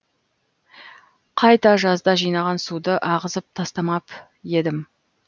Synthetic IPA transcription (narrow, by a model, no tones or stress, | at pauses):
qʰɑjt̪ɑʒɑzd̪ɑʒijnɑʁɑnsud̪əʔɑʁəzəp̚t̪ʰɑst̪ɑmɑp | je̞d̪ɪm